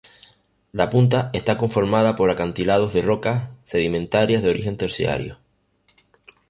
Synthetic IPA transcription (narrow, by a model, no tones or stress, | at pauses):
lapunt̪̬ae̞st̪ako̞ɱfo̞ɾmað̞apo̞ɾakant̪ilað̞o̞zðe̞ro̞kasse̞ðimẽ̞nt̪aɾjazðeo̞ɾixe̞nt̪e̞ɾsja̰ɾjo̰